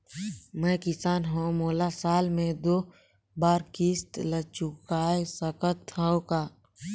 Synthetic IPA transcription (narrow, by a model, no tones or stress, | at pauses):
mɛ̃ːkɪsaːnɦõmoːlasaːlmẽd̪oː | baːɾkɪst̪lət͡ʃʊkaːesəkət̪ːə̃õkaː